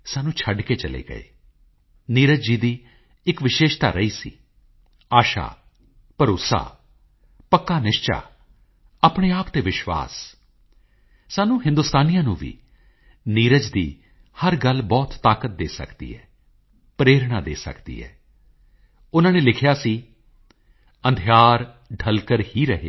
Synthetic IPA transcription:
saːnũːt͡ʃʰəɖkeːt͡ʃəlḛːɡə̰ḛː | niːɾəd͡ʒd͡ʒiːd̪iː | ɪkʋɪʃeːʃt̪a̰ːɾəiːsḭː | aːʃa̰ː | pəɾʊsa̰ː | pəkːaːnɪʃt͡ʃa̰ː | aːpɽ̃eːaːpt̪eːʋɪʃwa̰ːs | saːnũːɦɪ̃nd̪ʊst̪aːnijãːnũːʋḭː | niːɾəd͡ʒd̪iː | həɾɡəlbɔːt̪ːaːkət̪̚d̪eːsə̰kd̪ḭːɦɛ̰ː | pɾeːɾɽaːd̪ḛːsə̰kd̪ḭːɦɛ̰ː | ʊnãːneːlɪkʰjaːsiː | ə̃nd̪ʱjaːɾ | ɖʱəlkəɾhiːɾəɦḛː

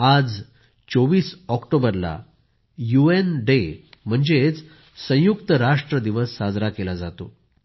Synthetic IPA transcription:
ad͡z | t͡soʋiːsɔkʈobəɾla̰ | juenɖem̤əɳd͡zet͡s | sə̃jukt̪əɾaʂʈɾəd̪iʋəsːad͡zɾakelad͡zat̪o

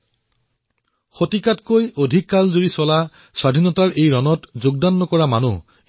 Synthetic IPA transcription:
xotikatkojodʱikːalzoɹisɔla | swadʱinɔtaɹʔejɹɔnɔtzoɡ̚danːɔkɔɹamanu

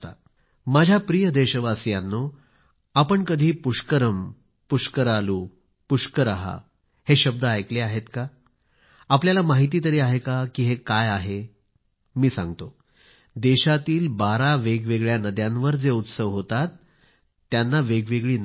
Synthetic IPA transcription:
t̪a̰ | mad͡ʑʱjapɾijəd̪eɕəʋasjanːo | apəɳkəd̪ʱiːpuʂkəɾəm | puʂkəɾaluː | puʂkəɾaɦa̰ | heɕəb̚d̪əajkleaɦet̪ka | apljalamaɦit̪̬iːt̪̬əɾiːaɦekakiːɦekajaɦe | miːsã̰ŋɡt̪o | d̪eɕat̪iːlbaɾaʋeɡʋeɡɭjanəd̪jãnʋəɾd͡zeut̪səʋɦot̪at̪ː | janːaʋeɡʋeɡɭiːn

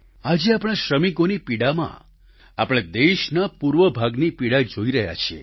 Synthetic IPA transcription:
ad͡ʒeapɽ̃aʃɾəmikonipiɽamã̰ | a̰pɽ̃ad̪eʃnapuɾʋəbʱaɡnipiɽad͡ʒoiɾəɦja̰t͡ʃʰiḛ

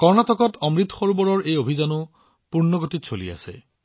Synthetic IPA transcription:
kɔɹnatɔkɔtɔmɹit̪xoɹubɔɹɔɹejobʱizanʊ | puɹnɔɡotitsolḭa̰sɛ̰

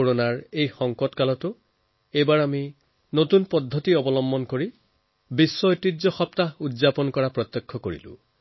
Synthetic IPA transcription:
oɹonaɹejxɔŋkɔtkalɔtʊ | ejbaɹami | notunpɔdʱːɔtiɔbɔlɔmbɔnkoɹi | bisːɔojtizɔxɔptaudzapɔnkɔɹapɹɔt̪ːɔkʰːɔkoɹḭlʊ̰̃

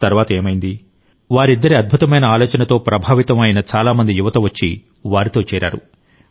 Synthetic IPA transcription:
t̪ɐɾʋaːt̪ɐe̞ːmɐjind̪i | ʋaːɾid̪ːɐɾiɐd̪̚bʱut̪ɐmɐjnɐaːloːt͡ʃɐnɐt̪o̞ːpɾɐbʱaːʋit̪ɐmɐjinɐt͡ʃaːlaːmɐnd̪ijuʋɐt̪ɐʋɐt͡ʃːi | ʋaːɾit̪oːt͡ʃɛːɾʔa̰ːɾṵ

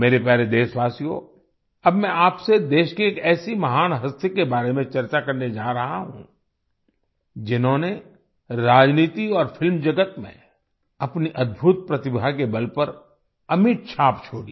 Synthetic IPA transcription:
meːɾepɛːɾed̪eːsʋaːsijo̰ | ɐbmɛ̃aːpsed̪eːʃkieːkɛːsimɐɦaːnɦɐst̪ʰekebaːɾemẽt͡ʃɐɾt͡ʃakɐɾned͡ʒaːɾɐɦaɦṵ̃ | d͡ʒɪnɦõne | ɾaːd͡ʒniːt̪iɔːɾfʰɪlmd͡ʒɐɡət̪mḛ̃ | ɐpniʔɐd̪̚bʱʊt̪̚pɾɐt̪ɪbʱakebɐlpɐɾ | ɐmɪʈ̚t͡ʃʰaːpt͡ʃʰoːɽḭː

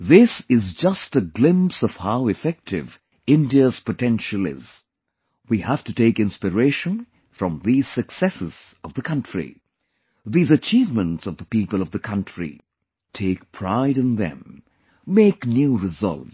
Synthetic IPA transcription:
ðɪsɪzd͡ʒʌstəɡlɪ̃msʌv̥haʊɨfɛk̚tʰɪ̰v | ɪ̃ndiəz̥pətɛ̃nʃəl̩ˠɪ̰z̥ | wihæftɨteɪkɪ̃nspɨɹeɪʃə̃n | fɹʌ̃mðiz̥sɨksɛsɨz̥ʌvðəkʰʌ̃ntɹ̥ḭ | ðiːzɨt͡ʃiːvmə̃ntsʌvðəpipəlˠʌvðɨkʰʌ̃ntɹ̥ḭ | tʰeɪk̚pʰɹ̥a̰ɪɾɨ̃nðɨ̰̃m | meɪknjuɹɨzʌ̰lˠv

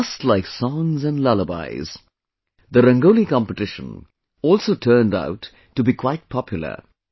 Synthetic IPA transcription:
ʌstˡlaɪksɔ̃ŋzɛ̃nlʌləba̰ɪz̥ | d̪əɾə̃ŋɡoʊlikɑ̃mpətɪʃə̰̃n | ɔːlˠsoʊtʰɜːnda̰ʊtː | ubikʰwaɪt̚pʰɑpʰjʊl̩ˠə̰˞

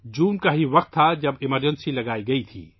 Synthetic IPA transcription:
d͡ʒuːmkaɦiʋɐqt̪ʰːad͡ʒɐbɪməɾd͡ʒənsilɐɡaːiɡɐit̪ʰḭː

